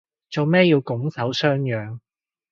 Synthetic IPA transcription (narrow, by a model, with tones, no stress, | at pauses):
t͡so˨wmɛː˥jiː˧wkʊ˨˥ŋsɐ˨˥wsœː˥ŋjœː˨˧ŋ